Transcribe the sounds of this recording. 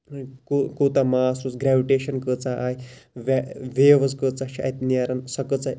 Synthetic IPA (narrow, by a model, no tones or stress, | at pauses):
kukut̪amasusɡɾaʋiʈeɕənkət͡saʔːjiʋaʋeʋəskət͡saɕa̰it̪nijaɾənsəkət͡saj